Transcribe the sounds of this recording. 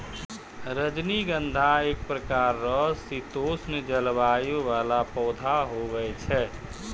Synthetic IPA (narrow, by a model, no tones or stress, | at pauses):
ɾəd͡ʒniɡənd̪ʱaeːk̚pɾəkaːɾːɔɦsit̪oːsnəd͡ʒəlbaːjoʋaːlapɔːd̪ʱaɦoɡəɛt͡ʃʰɛː